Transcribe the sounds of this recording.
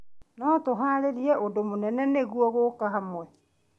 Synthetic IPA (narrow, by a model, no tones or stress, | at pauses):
nɔtoɦaɾeɾiɛʔodomonɛnɛneɣuwɔɣokaɦamwɛ